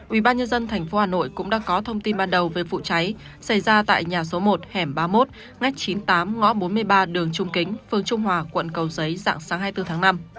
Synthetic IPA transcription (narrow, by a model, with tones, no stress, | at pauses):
ʔwi˧˩ɓaː˧nɲə˧nzə˧nt̪ʰa˨˩jŋ̟fo˨˦haː˨˩no̰˧˨jkʊ̰˧˥ŋ͡mɗa̰ː˧˥kɔ˨˦t̪ʰə˧wŋ͡mt̪i˧nɓaː˧nɗə˨˩wve˨˩fṵ˧˨t͡ɕa˨˦j | sa˧˩jzaː˧t̪a̰ː˧˨jɲaː˨˩so˨˦mo˨˩t̚hɛ˧˩mɓaː˧mo˦˥t̚ | ŋa˦˥jk̟̚t͡ɕi˨˦nt̪aː˨˦mŋɔ̰˧˥ɓo˨˦nmɨ˧əjɓaː˧ɗɨ˨˩əŋt͡ɕʊ˧ŋ͡mkï˨˦ŋ̟fɨ˨˩əŋt͡ɕʊ˧ŋ͡mɦwaː˨˩kwə̰˧˨nkə˨˩wzə˨˦jza̰ː˧˨ŋsaː˨˦ŋɦaː˧jt̪ɨ˧t̪ʰaː˨˦ŋna˧m